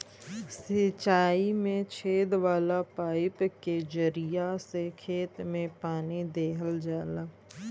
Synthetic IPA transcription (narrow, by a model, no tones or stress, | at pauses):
sɪt͡ʃaːimẽt͡ʃʰeːd̪ʋaːlapaːɪpked͡ʒəɾijasekʰeːt̪mẽpaːnid̪eːɦəld͡ʒaːlaː